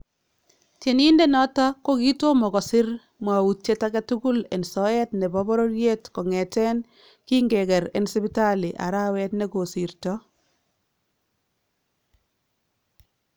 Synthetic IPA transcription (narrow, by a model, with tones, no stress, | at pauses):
te˨ni˦nde˦nɔ˦tɔ˦ko˦ki˦to˦mɔ˨ɣɔ˨sɪ˦ɾ | mwa˨wu˨t͡ʃe˦ta˦ɡa˦tuku˦lḛ˨nsɔ˦ɛ˦tnɛ˨bɔ˦bɔ˦ɾo˦ɾje˦tkɔ˨ŋɛ˨tɛ˦n | ki˦ŋɡɛ˨kɛ˨ɾḛ˨nsɪ˦pɪ˦ta˦li˨ʔa̰˨ɾa˦wɛ˦tnɛ˨ko˨si˨ɾtɔ